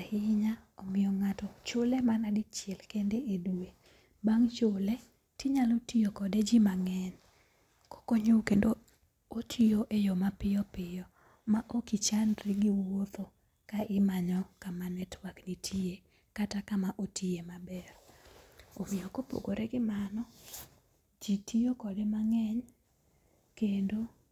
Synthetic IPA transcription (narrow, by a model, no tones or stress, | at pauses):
hɪɲaɔmɪjɔŋatɔt͡ʃʊlemanadɪt͡ʃjɛlkendeʔeduwe | baŋt͡ʃʊle | tiɲalotijokɔded͡ʒimaŋɛn | kɔ̥koɲokendo | otʰijoʔejɔmapɪjɔpɪjɔ | maʔokit͡ʃanɾɪɡɪwot̪o | kaʔɪmaɲɔkamanɛtwaknitʰie | katakamaʔotʰiemabɛr | omɪɔkopo̰ɡoɾeɡɪmanɔ | d͡ʒitʰijokɔdemaŋɛɲ | kendo